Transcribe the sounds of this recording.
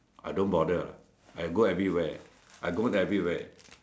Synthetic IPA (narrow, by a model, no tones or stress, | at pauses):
ʔajdõnbɔdə | ajɡoɛvɹiwɛ | ʔajɡõnɛvɹiwɛ